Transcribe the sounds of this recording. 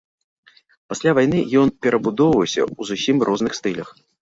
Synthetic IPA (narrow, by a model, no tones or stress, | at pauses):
pasʲlʲavajnɨjɔnpʲɛɾʔɐbud̪ɔwvɐwsʲɐ̰uzusʲimrʔɔznɨxst̪ɨlʲɐx